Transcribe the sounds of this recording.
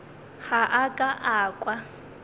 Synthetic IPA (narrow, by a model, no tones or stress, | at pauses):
ɣaʔakʼaʔaːkʼwa